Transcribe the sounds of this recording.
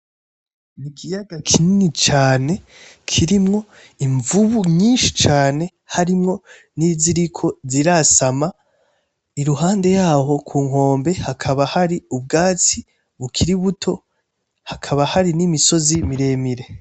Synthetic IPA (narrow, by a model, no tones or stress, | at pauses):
nikijaɡakʰininit͡ʃaːne̞kʰiɾimŋo̞ | iɱvuβuɲiːnʃi̥t͡ʃaːne̞ | haɾimŋo̞ | niːziɾikʰo̞ziɾasama | iɾuɦaːnde̞jaːho̞kʰuːŋ̥o̞ːmbe̞hakʰaβahaɾiub̚ɡaːt͡si | βukʰiɾiβutʰo̞ | hakʰaβahaɾinimiso̞zimiɾe̞ːmiɾe̞